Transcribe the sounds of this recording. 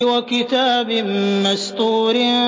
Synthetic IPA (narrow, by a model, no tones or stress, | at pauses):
wakɪt̪aːbɪmast̪ˤuːɾɪ